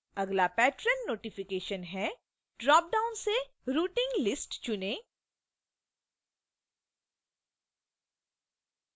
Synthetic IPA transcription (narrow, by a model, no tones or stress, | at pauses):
ɐɡlapɛːʈɾənːoːʈɪfɪkeːʃənɦɛ | ɖɾaːp̚ɖaːʊnseɾuːʈɪ̃ŋɡlɪsʈt͡ʃʊnẽː